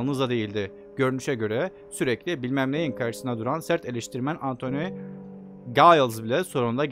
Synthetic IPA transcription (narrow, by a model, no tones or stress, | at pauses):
lˠnɯzˠad̪e̞jilʲd̪ɪ | ɟø̞ɾynyʃɛɟø̞ɾɛ | syɾɛclʲibilʲmæmlʲejinkʰaɾʃɯ̥sɯnad̪uɾansæɾt̪ʰe̞lʲiʃt̪ʰiɾmænʔant̪ʰo̞ny | ɡajalˠzbilʲɛso̞ɾund̪aɟ